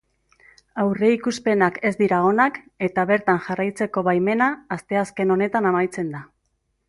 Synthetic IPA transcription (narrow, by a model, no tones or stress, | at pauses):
awre̞ikuspe̞nake̞zd̪iɾao̞nak | e̞t̪aβe̞ɾt̪anʝarajt͡se̞ko̞βajme̞naːst̪e̞aske̞no̞ne̞t̪anamajt͡se̞nd̪a